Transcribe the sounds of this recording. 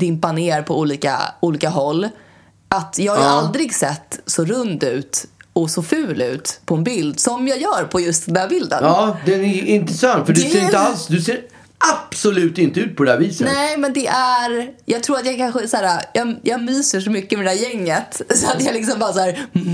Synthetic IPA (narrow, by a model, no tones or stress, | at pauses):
d̪ɪmpaneːɾpʰɔuːliːka̰uːliːkaɦɔlː | ʔat̪jɑːhajaald̪ɾɪɡsɛt̪ːsɔɾɵnd̪ʉ̟ːt̪ɔsɔfʉ̟ːlʉ̟̰ːt̪pʰɔɛnbɪld̪sɔmjɑːjœːɾpʰɔjɵst̪d̪ɛnd̪æːɾbɪld̪ə̰nːd̪ɛnɛɪnt̪ɾəsœnːfœɖʉseːɾɪt̪əalsd̪ɵseːɾ | ʔab̥sɔlʉ̟ːt̪ɪnt̪əʉ̟ːt̪̚pʰɔd̪ɛæːviːsənɛːmɛnd̪ɛʔæɾjɑːɡ̚t̪ʰɾuːɾat̪jɑkʰanɧəsæːɾajɑjɑːɡmyːsəʂɔmʏkːəmɛd̪ɛd̪æːjɛŋːət̪sɔat̪jɑlɪksɔmbɑːɾsæːɾ